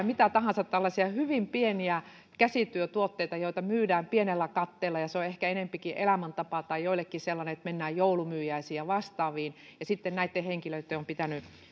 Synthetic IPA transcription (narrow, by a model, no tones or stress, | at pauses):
mit̪æt̪ɑhɑnsɑt̪t̪ælːɑsiɑhyʋimpieniæ | kæsit̪yøt̪uot̪ːeit̪ɑjoit̪ɑmyːdæːmpienelːækɑt̪ːeːlːˑɑjɑseoehkæenempikiʔelæmænt̪ɑpɑt̪ɑijoilːˑekːiselːɑneet̪menːæːjjoulumyːjæisiɑʋɑst̪ɑːʋiːnjɑsit̪ːennæit̪ːeheŋkiløit̪ːeompit̪æny